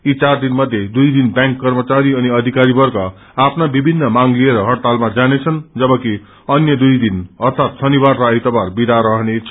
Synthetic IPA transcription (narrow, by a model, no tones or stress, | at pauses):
it͡sard̪inmʌd̪ʱjed̪ujd̪inbjãŋkːʌrmʌt͡saɾiʌniʌd̪ʱikaɾibʌrkʌ | apʰnabibʱinːʌmaŋlieɾʌɦʌɽt̪almad͡zanet͡sʰʌnd͡zʌbʌki | ʌnjʌd̪ujd̪inʌrt̪ʰat̪sʌnibarːʌajt̪ʌbarbid̪aɾʌɦnet͡sʰʌ